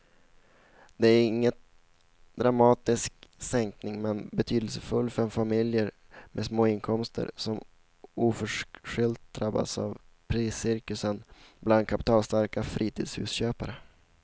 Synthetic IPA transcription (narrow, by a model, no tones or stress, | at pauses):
d̪̥ɛæɾɪŋːət̪ | d̪ɾamɑːt̪ɪsksɛŋknɪŋmɛnbɛt̪ʰyːd̪əlsəfɵlːfœœɾɛnfamɪljəɾ | mɛsmoːɪnkʰɔmst̪ʰə̰ɾsɔm | uːfœʂʂʏlt̪̚d̪ɾabːa̰sa̰vpʰɾiːsːɪɾkɵsənbland̪̚kʰapɪ̥t̪ʰɑːlst̪aɾkafɾʔiːt̪ʰiːd̪shʉ̰ːsɕøːpaɾə